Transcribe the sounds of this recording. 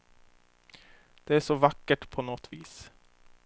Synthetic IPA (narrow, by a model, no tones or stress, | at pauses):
d̪̥ɛæʂɔvakːəʈpʰɔnɔt̪viːs